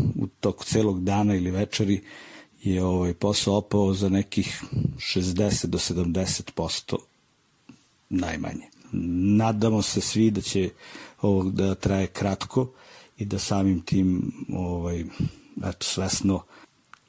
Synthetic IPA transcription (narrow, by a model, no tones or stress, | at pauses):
ṵt̪oku̥t̪seːloɡd̪aːnailiʋɛt͡ʃeɾijeoʋajposaopaozanɛkixʃezd̪eset̪̚d̪osed̪amd̪eset̪po̞st̪o̰ | najma̰ɲenaːd̪amosesʋid̪at͡ɕeoʋod̪at̪ɾajekɾat̪kʰoid̪asaːmimt̪ʰiːmoʋajɛ̰t̪o̥sʋɛsno